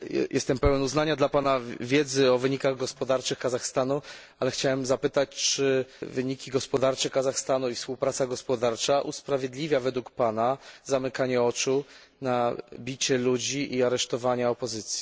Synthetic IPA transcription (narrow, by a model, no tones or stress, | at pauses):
jʔɛst̪ɛmpɛwɛnuznaɲad̪lapanavʲjɛd̪zɘɔvɘɲikaɣɡɔspɔd̪aɾt͡ʂɘxkazaxst̪anu | alɛxt͡ɕawɛmzapɘt̪at͡ɕt͡ʂɘvɘɲikʲiɡɔspɔd̪aɾt͡ʂɛkazaxst̪anuifspuwpɾat̪saɡɔspɔd̪aɾt͡ʂaʔuspɾavʲjɛd̪lʲivʲjavɛd̪wukpanazamɘkaɲɛɔt͡ʂu | nabʲit͡ɕɛlud͡ʑiʔiaɾɛʂt̪ɔvaɲaɔpɔzɘt̪sʲji̥